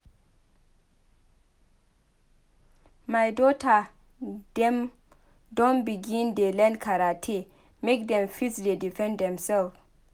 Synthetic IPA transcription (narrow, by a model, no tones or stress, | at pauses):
majdota | dɛm | dɔnbiɡindelɛnkʰaɾatʰe | mekdɛmfisdedifɛ̃ndɛmsɛlf